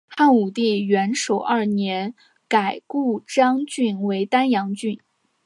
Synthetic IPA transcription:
xa˥˩nu˨˩t̪i˥˩ɥɛ˧˥nʂo˨˩ʊʔɐ˞˥˩njɛ˧˥n | ka˨˩ɪku˥˩ʈ͡ʂɑ˥ŋt͡ɕy˥˩nwe˧˥ɪt̪a˥njɑ˧˥ŋt͡ɕy˥˩n

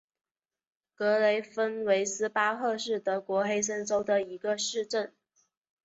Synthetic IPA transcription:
kɤ˧˥le˧˥ɪfə˥nwe˧˥ɪsɹ̩˥pa˥xɤ˥˧ʂɻ̩˥˩t̪ɤ˧˥kwɔ˧˥xe˥ɪʂ̬ə˥nʈ͡ʂo˥ʊd̪ə˨i˧˥ɡə˧ʂɻ̩˥˧ʈ͡ʂə˥˩n

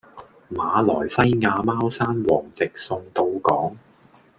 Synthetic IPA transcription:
maː˨˧lɔː˨˩jsɐ˥jŋaː˧maː˥wsaː˥nwɔː˨˩ŋt͡sɪ˨k̚sʊ˧ŋt̪o˧wkɔː˨˥ŋ

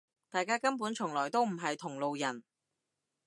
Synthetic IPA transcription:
t̪aː˨jkaː˥kɐ˥npuː˨˥nt͡ʃʰʊ˨˩ŋlɔː˨˩jt̪o˥wm̩˨˩ɦɐ˨jt̪ʰʊ˨˩ŋlo˨wjɐ˨˩n

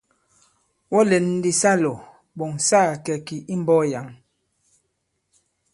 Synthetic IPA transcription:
wɔ˦lɛ˨˦n˦di˦sa˦lɔ˨ | bo˨ŋsaː˦˨kɛ˨ki˨ʔi˦m˦bɔ˦ja˨˦ŋ

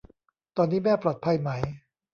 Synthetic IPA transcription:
t̪ɔː˧nːiː˦˥mɛː˥˩pɾoː˨˩t̪̚pʰa˧jma˦˥j

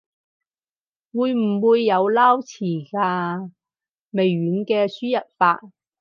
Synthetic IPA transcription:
wuː˨˧jm̩˨˩wuː˨˧jːɐ˨˧wlaː˥wt͡sʰiː˨˩kaː˧ | me˨jːyː˨˥nkɛː˧syː˥jɐ˨t̚faː˧t̚

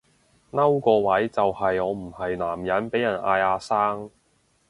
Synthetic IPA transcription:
ŋɐ˥wkɔː˧wɐ˨˥jt͡sɐ˨whɐ˨jɔː˨˧m̩˨˩hɐ˨jnaː˨˩mjɐ˨˥npe˨˥jɐ˨˩nʔa̰ː˧jaː˧saː˥ŋ

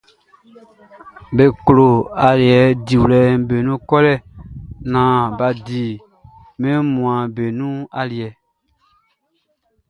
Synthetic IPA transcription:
be˨klo˨a˨li˨ɛ˨˦di˨wlɛ˨be˨nũ˦kɔ˦lɛ˦˨nãː˨ba˨di˨ | mɛ̃˦mũ˨ã˨be˨nũ˦a˨li˨ɛ˨

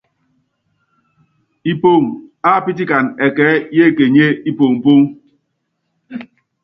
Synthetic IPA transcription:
i˦po˦˨ŋ̩˨a˦˨pɪ˦tɪ˦ka˨n̩˨e˨kɛː˨˦je˦˨ke˨ɲe˦i˦po˨ŋ̩˨po˦ŋ˦

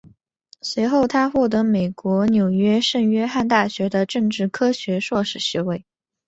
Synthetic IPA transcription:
swe˧˥ɪxo˥˩ʊt̪ʰa˥xwɔ˥˩t̪̬ɤ˧˥me˨˩ɪkwɔ˧˥njo˨˩ʊɥɛ˥ʂə˥˩nɥɛ˥xa˥˧nt̪a˥˩ɕɥɛ˧˥d̪ə˧ʈ͡ʂɤ˥˧ŋʈ͡ʂɻ̩˥˩kʰɤ˥ɕɥɛ˧˥ʂwɔ˥˩ʂɻ̩˨˩ɕɥɛ˧˥we˥˩ɪ

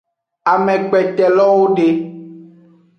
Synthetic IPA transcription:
a˨mɛ̃˨k͡pɛ˨t̪ɛ˨lɔ˦wo˦ɖe˦

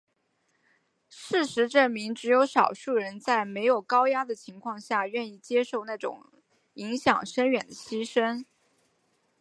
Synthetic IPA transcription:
ʂɻ̩˥˩ʂɻ̩˧˥ʈ͡ʂɤ˥˩mi˧˥ŋʈ͡ʂɻ̩˧˥jo˧˥ʊʂɑ˨˩ʊʂu˥˩ɻə˧˥nt͡sa˥˩ɪme˧˥ɪjo˨˩ʊkɑ˥ʊja˥d̪ə˨t͡ɕʰi˧˥ŋkʰwɑ˥˧ŋɕja˥˧ɥɛ˥˧ni˥˩t͡ɕjɛ˥ʂo˥˧ʊna˥˩ʈ͡ʂʊ̰˨˩˦ŋ | i˧˥ŋɕjɑ̰˨˩ŋʂə˥nɥɛ˨˩nd̪ə˦ɕi˥ʂə˥n

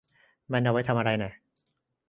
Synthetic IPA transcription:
ma˧nda˧wa˦˥jt̪ʰa˧mʔa˧ɾa˧jna˨˩

